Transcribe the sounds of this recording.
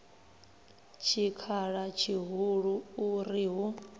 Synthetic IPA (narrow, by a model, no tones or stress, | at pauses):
t͡ʃʰikʰaɺat͡ʃʰiɦuɺuuɾiɦu